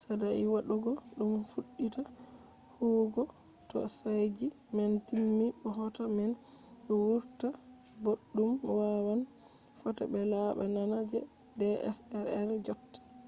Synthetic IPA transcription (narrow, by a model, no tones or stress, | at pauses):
sadaʔiwaɗuɡɔɗumfuɗːita | huɡɔ | tɔ̰sajd͡ʒi | mɛntilmiɓɔɦɔtamɛn | ɓɛwuɾta | boɗːumwawan | fɔta̰bɛlaɓa̰nanad͡ʒɛ̰ | dɛɛ̰sɛɾɛɾd͡ʒoktḁ